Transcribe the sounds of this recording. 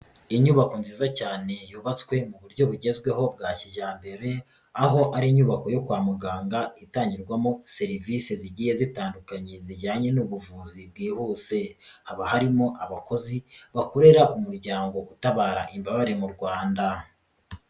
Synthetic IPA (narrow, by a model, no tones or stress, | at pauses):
iɲuːβako̞nziːzacaːne̞juːβat͡swe̞muβuɾɟo̞βuɟe̞zɡwe̞ɦo̞b̚ɡaːciʒaːmbe̞ɾe̞ | aɦo̞ʔaɾiɲuːβako̞jo̞kwaːmuɡaːŋɡaitaːɲɟiɾɡwamose̞ɾiviseziɟiːje̞zitaːndukaɲe̞ziʒaːɲe̞nuβuvuːzibɡiːhuːse̞haβahaɾimoʔaβako̞ziβako̞ɾe̞ɾaʔumuɾɟaːŋɡo̞ʔutaβaːɾa̰ʔimbaβaɾe̞muɾɡwaːnda